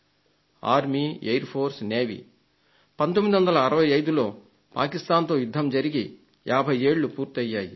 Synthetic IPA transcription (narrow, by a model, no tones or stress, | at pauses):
a̰ːɾmiejɾpʰo̞ːɾsneːʋḭ | pɐnt̪omːid̪iʋɐnd̪ɐlɐːɾɐʋɐjɐjd̪ulo̞ː | pa̰ːkist̪aːnt̪o̞ːjud̪ʱːɐmd͡ʒɐɾiɡi | jaːbʱɐje̞ːɭːupuːɾt̪iɐjːaːji